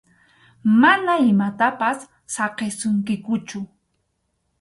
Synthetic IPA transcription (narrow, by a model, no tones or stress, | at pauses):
manaɪmat̪apasː | ɑqesʊŋkɪkʊt͡ʃʊ